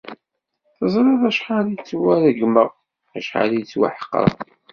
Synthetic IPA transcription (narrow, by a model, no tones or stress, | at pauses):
θəzˤɾˤɑðˤæʃħalit͡sːwæɾæɡməʁ | æʃħa̰lijt͡sːwa̰ħə̥qːɾ̰ˤ